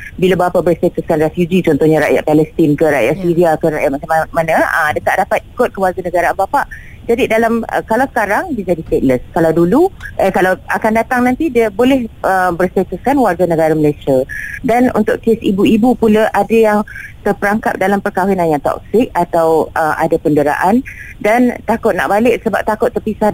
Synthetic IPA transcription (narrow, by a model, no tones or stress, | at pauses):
bilabəapabərst̪et̪ʊskanrefjud͡ʒit͡ʃɔnt̪ɔhɲaɾa̰ʔja̰ʔpalɛst̪ɪnkəɾa̰ʔjaʔsiɾiakəɾajaʔmat͡ʃamamanãə̰mdət̪aʔdapat̪̚ikʊt̪̚kəwarɡanə̃ɡaɾabapaʔ | d͡ʒadidalam̰kalawsə̥kaɾaŋbid͡ʒadist̪et̪̚ləskalawduluʔəkalawakandat̪aŋnãnt̪idiəbolɛhəbərst̪at̪uskanwarɡanə̃ɡaɾaməlajsiadanṵnt̪ʊʔkesḭbuibupulaʔadajaŋt̪ərpəɾaŋkap̚dalampərkawinanjaŋt̪ɔ̰k̚sɪk̚at̪awəmʔa̰dapəndəɾa̰ʔan | dant̪akʊt̪̚na̰ʔbalɪʔsəba̰p̚t̪akʊt̪ːərpisah